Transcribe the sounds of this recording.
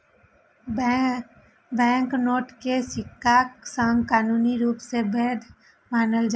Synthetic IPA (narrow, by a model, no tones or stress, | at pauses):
bɛ̃ːŋknoːʈkesɪkːaksə̃ŋɡkaːnuːniɾuːpsebɛːd̪ | maːnəld͡ʒa